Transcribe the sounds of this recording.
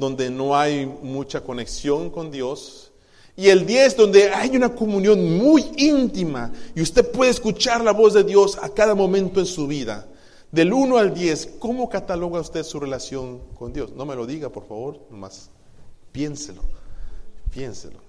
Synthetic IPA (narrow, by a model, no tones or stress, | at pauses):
d̪o̞nd̪enoajmut͡ʃako̞neksjo̞ŋko̞nd̪jo̞s | ie̞ld̪je̞zd̪o̞nd̪eajunakomũnjo̞nmujint̪imaiust̪e̞ðpwe̞ðeːskut͡ʃaɾlaβo̞zðeðjo̞sakaðamõ̞mẽnt̪oensuβiða̰ | ðe̞lunoald̪je̞sko̞mo̞kat̪alo̞ɣaust̪e̞ðsurelasjo̞ŋko̞nd̪jo̞sno̞me̞lo̞ðiɣapoɾfaβo̞ɾnoma̰s | pje̞nselo̰ | pjenselo